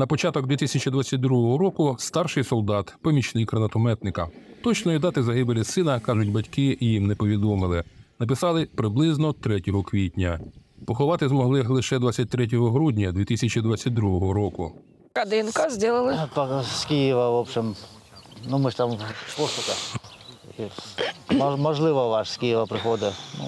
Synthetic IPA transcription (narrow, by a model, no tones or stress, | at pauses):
nɐpɔt͡ʃɑt̪ɔɡ̚d̪ʲʋʲit̪ɪisʲɐt͡ʃid̪ʋat͡sʲːɐt̚ʲd̪ɾuɦɔɦɔɾɔkʊst̪ɑrʃɪjsɔlˠd̪ɑt̪pɔmʲit͡ʃnɪjkɾɐnɐt̪ɔmɛt̪nɪkɐt̪ɔt͡ʃnɔid̪ɑt̪ɪzɐɦɪbelʲisɪnɐkɑʒʊtʲbɐtʲkɪjimnɛpɔʋʲid̪ɔmɪlˠɪnɐpɪsɑlˠɪpɾɪblˠɪznɔt̪ɾɛtʲɔɦɔkʋʲidʲnʲɐpɔxɔʋɑt̪ɪzmɔɦlˠɪxlˠɪʃɛd̪ʋat͡sʲːɐt̚ʲt̪ɾɛt̬ʲɔɦɔɦɾudʲnʲɐd̪ʋʲit̪isʲɐt͡ʃid̪ʋat͡sʲːɐt̚ʲd̪ɾuɦɔɦɔɾɔkʊ | kɐd̪ɪnkɐzʲdʲilˠɪlˠɪpɐskʲijɪʋɐʋɔbʃɪm | numɪʃt̪ampɔst̪ʊkɐ | i | mɐʒlˠɪʋɐʋɑʂskʲijɪʋɐpɾɪxɔd̪ɪnṵ